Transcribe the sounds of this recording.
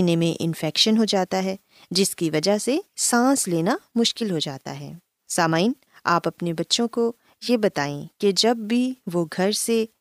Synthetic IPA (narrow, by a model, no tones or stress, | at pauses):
nemẽʔɪ̰nfɛːkʃənɦod͡ʒaːt̪aɦɛː | d͡ʒɪskiʋɐd͡ʒəɦsesãːsleːnamʊʃkɪlɦod͡ʒaːt̪a̰ɦɛ̰ː | saːmaːin | a̰ːpɐpnebɐtːʃõko | jebɐt̪aːḛ̃ked͡ʒɐbːʱiʋoɡʱɐɾse